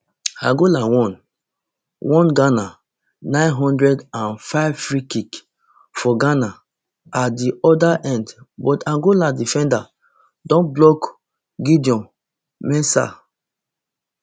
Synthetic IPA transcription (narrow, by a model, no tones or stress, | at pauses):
ãɡolawɔ̃n | wɔ̃nɡana | nãɪ̃nɦɔ̃ndɹɛdãnfaɪvfɹikik | fɔɡana | at̚diʔɔdaʔɛ̃ndbɔtãɡoladifɛ̃nda | dɔ̃nblɔk | ɡidiɔ̃m | mɛ̃sa̰